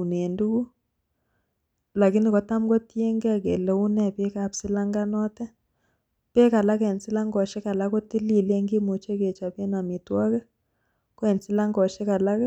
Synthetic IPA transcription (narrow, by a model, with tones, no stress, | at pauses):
u˨ne˨ndu˦ku˦ | la˨ki˦ni˨kɔ˨˦ta˦mkɔ˦tje˦ŋɡɛ˦a˨kḛ˨lɛ˨u˦nɛ˦pe˦ka˨psɪ˦la˦ŋɡa˦nɔ˦tɛ˦ | pe˦ka˨la˦kɛ˨nsɪ˦la˦ŋɡɔ˨ʃɛ˦ka˨la˦kɔ˦ti˦li˨le˦ŋɡi˦mo˨t͡ʃe˦ke˨t͡ʃa˨pe˦na˨mi˨twa˦kɛ˦ | kwɛ˨nsɪ˦la˦ŋɡɔ˨ʃɛ˦ka˨la˦k